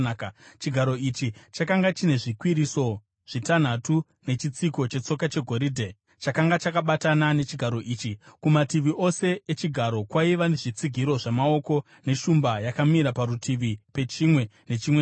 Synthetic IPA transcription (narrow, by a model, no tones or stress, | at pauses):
t͡ʃiɡʱaɾo̞it͡ʃit͡ʃakaŋɡat͡ʃine̞ʐikwiɾiso̞ | ʐ̥itan̤atu | ne̞t͡ʃit͡siko̞t͡ʃe̞t͡so̞kat͡ʃe̞ɡʱo̞ɾiːdʱe | t͡ʃakaŋɡat͡ʃakaɓatanane̞t͡ʃiɡʱaɾo̞ʔiːt͡ʃikumatiʋiʔo̞se̞ːt͡ʃiɡʱaɾo̞kwaiʋane̞ʐit͡siɡʱiɾo̞ʐamao̞ko̞ | ne̞ʃumbajakamiɾapaɾutʰiʋipe̞t͡ʃimwe̞ne̞t͡ʃimwe